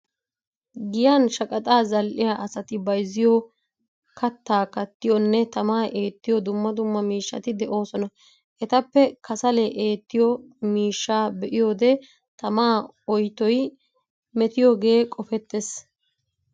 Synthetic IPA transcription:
ɡɪjaːnʃɐkʼɐt̪ʼaːzɐlʔɪjaːʔɐsɐt̪ɪbɐjzɪjɔ | kʰɐt̪ːaːkɐt̪ːɪjɔnːɛt̪ɐmaːʔe̞ːt̪ːɪjɔd̪ʊmːɐd̪ʊmːɐmiːʃːɐ̰t̪ɪd̪ɛʔo̞ːsɔnɐ | ʔɛt̪ɐpːɛkʰɐsɐlɛʔeːt̪ːɪjɔmiːʃːaːbɛʔɪjo̞ːd̪ɛ | t̪ɐmaː | ɔjt̪ɔj | mɛt̪ɪjɔɡe̞ːkʼɔfɛt̪ːes

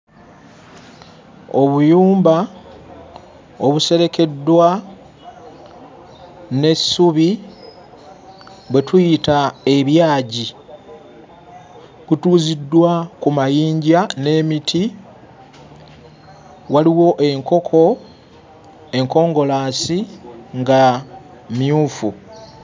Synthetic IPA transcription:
oβujuːmba | oβuse̞ɾe̞ke̞dːwa | ne̞suβi | βwe̞tujitae̞βjaːɟi | βutuːzidːwakumajiːɲɟane̞ːmitʰi | waliwo̞ʔe̞ŋko̞kʰo̞ | e̞ŋko̞ːŋɡo̞laːsiŋɡa | mjuːfu

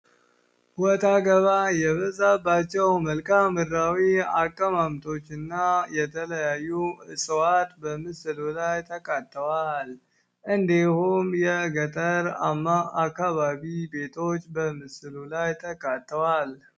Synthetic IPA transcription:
wɔt̪ʰaɡəβajɛβəzabːat͡ʃːɛwməlkʰamɨɾawiakʼːəmamt̪ʰo̞t͡ʃːɨnːajɛt̪ʰələjajːuɨsəwat̪bəmɨsɨlulajt̪ʰəkʼat̪ʰʼːəwal | ʔɨnd̪ehumjɛɡət̪ʼəɾamakːaβaβibe̞t̪ʰo̞t͡ʃːbəmɨsɨlulajt̪ʰəkʼat̪ːəwal

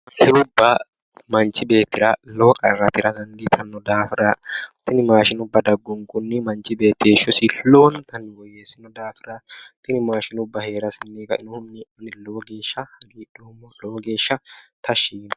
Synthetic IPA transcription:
ʃɪnʊbːɐ | mɐnt͡ʃɪbe̞ːt̪ːɪɾɐloːkʼɐrːɐt̪ɪɾɐd̪ɐnd̪ɪt̪ʰɐnːɔd̪aːfɪɾɐt̪ɪnɪmaːʃɪnʊbːɐd̪ɐɡːʊŋkʼʊnːɪmɐnt͡ʃɪbe̞ːt̪ːeːʃɔsɪloːnt̪ɐnːɪwɔjeːsɪnɔd̪aːfɪɾɐt̪ɪnɪmaːʃɪnʊbːɐheːɾɐsɪnːeːkɐɪnɔhʊnːɪʔɔnːɪloːɡe̞ːʃːɐhɐɡiːɗoːmːɔloːɡe̞ːʃːɐt̪ɐʃiːn

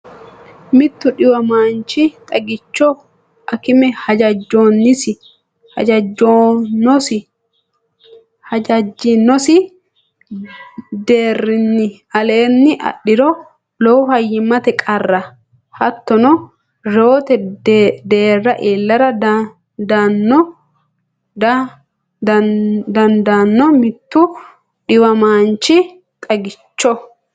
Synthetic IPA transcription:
mɪt̪ːʊᶑɪwɐmaːnt͡ʃɪt̪ʼɐɡɪt͡ʃːɔ | ɐkɪmɛhɐd͡ʒɐd͡ʒːoːnːɪsɪ | hɐ̰d͡ʒɐd͡ʒːonːɔsɪ | hɐd͡ʒɐd͡ʒːɪnːɔsɪ | d̪eːrɪnːɪ | ɐle̞ːnːɪʔɐ̰ɗɪɾɔ | lɔwʊhɐjːɪmːɐt̪ɛkʼɐrːɐ | hɐt̪ːɔnɔ | ɾo̞ːt̪ɛd̪e̞ːrːɐʔeːlːɐɾɐ | d̪ɐnːɔ | d̪ɐnd̪aːnːɔmɪt̪ːʊ | ɗɪwɐmaːnt͡ʃːɪ | t̪ʼɐɡɪt͡ʃːɔ

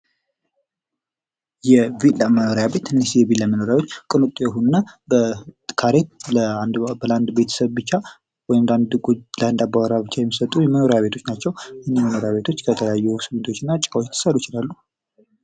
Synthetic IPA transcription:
jɛviləməno̞ɾjabe̞t̪ɨnːisjɛvilːaməno̞ɾjawo̞t͡ʃːkʼɨnut̪ʼjɛɦunnabəkʰaɾet̪ləand̪bəland̪be̞t̪ʰə̥səβbɨt͡ʃːa | wɔjmnd̪and̪ɡuləand̪abaɾabɨt͡ʃːajɛmːisət̪ʼːujɛməno̞ɾejaβe̞t̪ʰot͡ʃːnat͡ʃːɛwjhnːiməno̞ɾjaβe̞t̪ʰo̞t͡ʃːkʰət̪ʰələjajːusɨmːɨnt̪ʰot͡ʃːɪnːat͡ʃʼawot̪ʰːɨ̥səɾut͡ʃɪlalːu

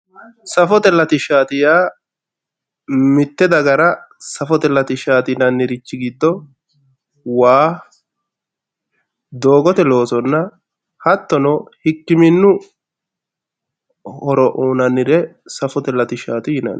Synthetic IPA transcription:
sɐfɔt̪ɛlːɐt̪ɪʃaːt̪ɪjaː | mɪt̪ːɛd̪ɐɡɐɾɐsɐfɔt̪ɛlːɐt̪ɪʃaːt̪ɪnɐnːɪɾɪt͡ʃːɪɡiːt̪ːɔ | waː | d̪oːɡɔt̪ɛlo̞ːsɔnːɐ | hɐt̪ːɔnɔhɪkːɪmɪnːʊ | ɔɾɔʔuːnɐnɪɾɛsɐfɔt̪ɛlːɐt̪ɪʃaːt̪ɪjɪnɐ̰n

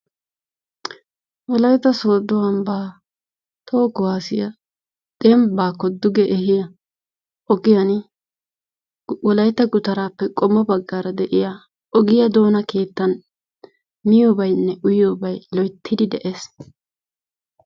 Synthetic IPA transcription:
wɔlɐjt̪ːɐso̞ːd̪ʊwɐmbaː | t̪ʰo̞ːkʊwaːsɪjɐ | d̪̥ɛmbaːkːɔd̪ʊɡɛʔɛhɪjɐ | ʔɔɡɪjɐn | wɔlɐjt̪ːɐɡʊt̪ɐɾaːpːɛkʼɔmːɔbɐɡːaːɾɐd̪ɛʔɪja | ʔɔɡɪjɐd̪o̞ːnɐke̞ːt̪ːɐn | mɪjoːbɐjnːɛʔʊjoːbɐjlɔjt̪ʰːɪd̪ɪd̪ɛʔeːs

